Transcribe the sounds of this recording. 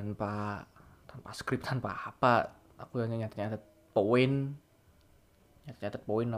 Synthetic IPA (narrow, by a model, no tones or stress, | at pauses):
tanpa | t̪anpaskɾɪp̚t̪ʰanpaːpa | a̰kujaɲaɲat̪at̪ɲad̪at̪̚ | poɪn | ɲat̪at̪ɲat̪at̪̚poɪnːa